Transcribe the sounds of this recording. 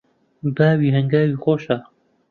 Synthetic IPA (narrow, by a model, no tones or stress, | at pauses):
baːwiːɦɐŋɡaːwiːxoːʃaː